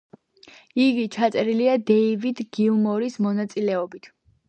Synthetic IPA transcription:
iɡit͡ʃʰat̪sʼɛɾiliad̪ɛivid̪ɡilmɔɾismɔnat̪sʼilɛɔbit̪ʰ

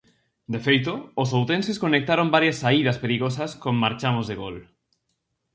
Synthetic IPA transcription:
d̪efejt̪oːs̬owt̪ẽnseskonek̚t̪aɾombaɾjasːaiðaspeɾiɣ̞osaskomːaɾt͡ʃamozðeɣol

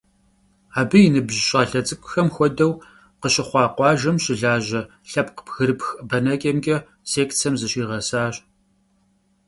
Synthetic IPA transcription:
aːbɨjɪnɨbʒɕʼɐɬɐt͡sʼɨkʷʼʊ̥xɐmxʷɔdɐw | qəɕɪχʷɑːqʷɑːʒɐmɕɪɮaːʑɐ | ɬɐp̚ʰqə̥pɣɨɾɨpxbɐnɐkʲʼɐmkʲʼɐ | seːkt͡sʰɐmzɨɕiːʁɐsaːɕʼ

